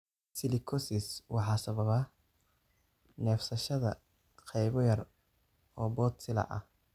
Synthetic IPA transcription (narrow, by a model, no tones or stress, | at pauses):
sɪlɪkʰɔsɪswɑħɑːsɐβɐβɐ | nɛːfsɐʃɐðɐ̰ | qʰɛjβɔjɐr | ɔːbɔːt̪sɪlɐ̰ʔɐ̰h